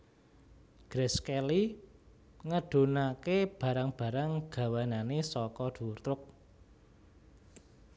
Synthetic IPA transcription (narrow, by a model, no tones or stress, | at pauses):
ɡ̥ɾɛskɛli | ŋəɖ̥o̤nakeb̥ä̤ɾaŋb̥a̤ɾaŋɡ̥a̤wananesɔkɔd̪̥urt̪ɾʊk̚